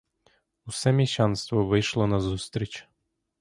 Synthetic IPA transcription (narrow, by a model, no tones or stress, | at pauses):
ʊsɛmʲiʃɑnst̪ʋɔʋɪjʃlˠɔnɐzust̪ɾʲit͡ʃ